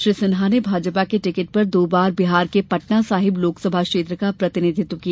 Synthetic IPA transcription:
ʃɾiːsɪnɦanebʱaːd͡ʒpakeʈɪkɪʈ̚pɐɾd̪oːbaːɾbɪɦaːɾkepɐʈnasaːɦɪbloːksəbʱakʃeːt̪ɾəkapɾɐt̪ɪnɪd̪ʱɪt̪ːkija

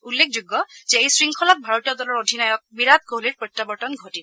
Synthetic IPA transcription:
ulːekʰzuɡːɔzɛejsɹiŋkʰɔlak̚bʱaɹotijɔd̪ɔlɔɹod̪ʱinajɔk̚biɹat̪̚koɦliɹpotːabɔɹtɔnɡʱotil

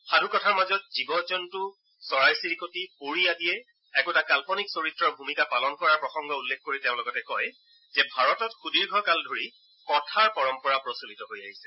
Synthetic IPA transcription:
xadʱukɔtʰaɹmazɔt̚zibɔzɔntʊ | sɔɹajsiɹikotipoɹiadiɛ | ɛkuɛtakalpɔniksoɹitɹɔɹbʱumikapalɔnkɔɹaɹpɹɔxɔŋɡɔulːekʰkoɹiteʊ̃lɔɡɔtɛkɔj | zɛbʱaɹɔtɔtxudiɹɡʱɔkaldʱoɹi | kɔtʰaɹpɔɹɔmpɔɹapɹɔsulitɔɦojaɦisɛ̥

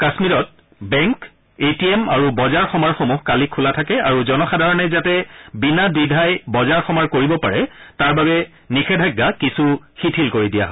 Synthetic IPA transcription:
kasmiɹɔt̚ | bɛŋk | etiemaɹubɔzaɹxɔmaɹxomuxkalikʰːulatʰakɛaɹuzɔnɔxadʱaɹɔnɛzatɛbinadidʱajbɔzaɹxɔmaɹkoɹibɔpa̰ɹɛtaɹbabɛ | nixʰɛdʱaɡːakisuxitʰilkoɹidija̰ɦɔ

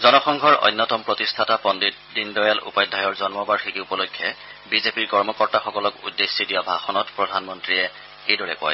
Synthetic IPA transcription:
zɔnɔxɔŋɡʱɔɹɔ̰jnːɔtɔmpɹotistʰatapɔndi | dindɔjalṵpajdʱajɔɹzɔnmɔbaɹxikupɔlokʰːjɔ | bizepiɹkɔɹmɔkɔɹtaxɔkɔlɔkṵdːesidijabʱaxɔnɔtpɹɔdʱanmɔntɹiɛ | ejdɔɹɛ̰kʊa̰j

